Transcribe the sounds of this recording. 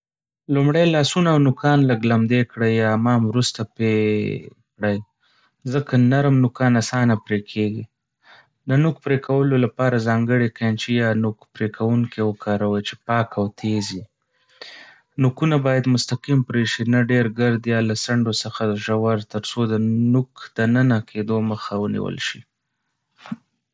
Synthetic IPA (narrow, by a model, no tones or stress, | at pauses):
lumɽajlɑsunaːwnʊkʰɑnləɡlamd̪ekɽəjːɑmɑmwɾust̪ape | kɽəj | zəkʰanaɾmnʊkɑnasɑnapɾekʰeɡi | d̪ənuk̚pɾekʰawəlolapɑɾazɑŋɡəɽikant͡ʃijɑnukpɾekʰawuŋkewəkʰɑɾawəjt͡ʃe̥pɑkawt̪ʰezi | nukunabɑjad̪mʊst̪aqimpɾeʃinaɖeɾɡaɾd̪jɑlasaɳɖosəxad̪əʒawaɾt̪əɾsod̪ənukd̪̥ənənakʰed̪oməxawənḭwə̰lʃḭ